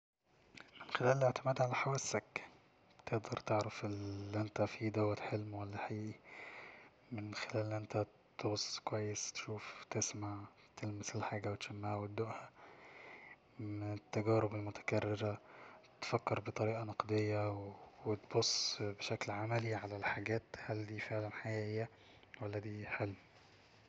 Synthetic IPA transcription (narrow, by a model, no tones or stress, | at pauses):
mɪnxelæːleleʕt̪ɪmæːd̪ʕalæħawæːsæk | t̪eʔd̪ɑɾˤt̪eʕɾafʔɪlʔɪnt̪æfid̪awːæt̪ħelmwælːaħaʔiːʔi | mɪnxelæːlːʔɪnt̪æ | t̪oɣsˤːkwæjːest̪ʃuːft̪ɪsmaʕ | t̪elmɪselħaːɡæwet̪ʃæmːaʕhæwæt̪̚d̪ːoʔhæ | mɪnɪt̪ːæɡæːɾɪbelmʊt̪æ̥kærːɪɾæt̪fækːɑɾbet̪ˤɑɾiːʔɑnɑqd̪ejːæwwet̪bosˤːbeʃæklʕamæliʕalælħaɡæːt̪hæld̪iːfeʕlænħaʔiːʔːhejːæ | wælːæd̪iːħelm